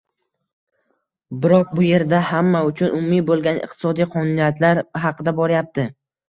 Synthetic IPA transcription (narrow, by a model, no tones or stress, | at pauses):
bɪɾɒq̚bʊje̞ɾd̪ahamːaʊt͡ʃʰʊnʊmʊmːibolˠɡʲanɪ̰qt̪ʰɪ̥sɒd̪ijqʰɒnunijat̪ʰlaɾɦɑqʰɨd̪abɒɾajap̚t̪ʰɪ